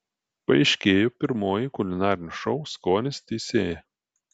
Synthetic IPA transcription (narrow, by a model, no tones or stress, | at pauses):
pɐɐɪʃʲkʲeːjopʲɪɾmoːjɪkʊlʲɪnɑːɾʲɪnʲʊʃɔʊskoːnʲɪst̪ʲɛsʲeːjɛ